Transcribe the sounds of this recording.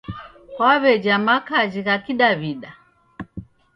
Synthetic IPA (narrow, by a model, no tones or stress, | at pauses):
kwaβɛd͡ʒamakad͡ʒiɣakiɗaβiɗa